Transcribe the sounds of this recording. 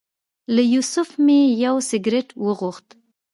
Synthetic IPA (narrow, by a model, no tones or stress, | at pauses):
lajusʊfmejawsɪɡɾeʈwəɣuxt̪